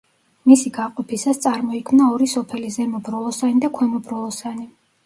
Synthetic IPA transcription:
misiɡaqʼɔpʰisast̪sʼaɾmɔikʰmnaɔɾisɔpʰɛlizɛmɔbɾɔlˠɔsanid̪akʰwɛmɔbɾɔlˠɔsani

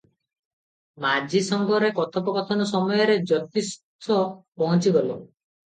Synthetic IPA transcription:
mad͡ʒisɔŋɡɔɾekɔt̪ʰɔpɔkɔt̪ʰɔnɔsɔmɔjɔɾed͡ʒɔt̪ist̪ʰɔpɔɦɔ̃t͡ʃiɡɔlo

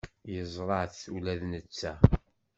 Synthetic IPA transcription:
jəzˤɾˤəʕθθulæðnət͡sːæ

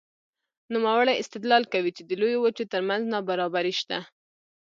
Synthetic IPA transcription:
numawaɽajɪst̪ɪd̪lɑlkawit͡ʃed̪əlojowət͡ʃet̪əɾmanznɑbaɾɑbaɾiʃt̪a

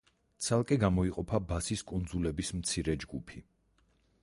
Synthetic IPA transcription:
t̪sʰalˠkʼɛɡamɔiqʼɔpʰabasiskʼund̪zulɛbismt̪sʰiɾɛd͡ʒɡupʰi

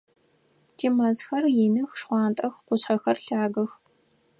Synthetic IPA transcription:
dʰiːmɐsxɐrjinɨxʂχʷɑːntʼɐxqʷʊɕħɐxɐrɬaːɡɐx

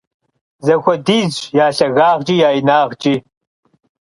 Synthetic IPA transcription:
zɐxʷɔdiːd͡ʒjaːɬɐɣaːʁd͡ʒʼiːjaːjinaːʁd͡ʒʼiː

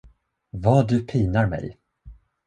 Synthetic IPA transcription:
vɑːd̪ɵpʰiːnaɾmɛ̰j

